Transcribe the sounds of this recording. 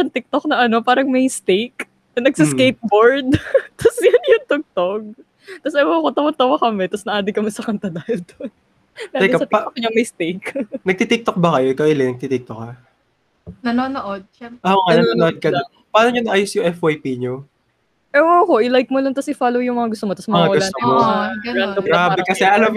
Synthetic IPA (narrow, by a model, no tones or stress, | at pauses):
sɐnt̪ɪk̚t̪ok̚nɐʔɐno̞paːɾɐŋmɐjst̪ejk | ɐnɐɡ̚sɪskejp̚boɹd̪̚t̪ɐsjɐnjʊnt̪oɡ̚t̪oɡ̚ | t̪ɐsɛmokot̪ɐwɐt̪ɐwakɐmɛt̪ɐsnɐʔaːd̪ɪkɐmɛsɐkɐnt̪ɐd̪aːhɪld̪on | ɡaːjsɐt̪ɪokɲɐŋmɐjst̪ejknɐɡ̚t̪it̪ik̚t̪ok̚bɐkɐjoʔɪkawɪlɛnɐɡ̚t̪it̪ik̚t̪ok̚ːɐ | nɐnoːnoʔod̪̚aʔoŋanɐoːnoʔod̪̚kɐd̪ | paːnoɲonɐʔaːjosjʊŋʔɛfwajpiɲo | ʔɛwakoʔɪlajk̚molont̪ɐsʔɪfaːlowjʊŋmɐŋaɡʊst̪omot̪ɐsmɐmɐŋaɐɡʊltnomoɐɡɐdd̪oɡɡɾaːbɛkɐsɛʔɐlam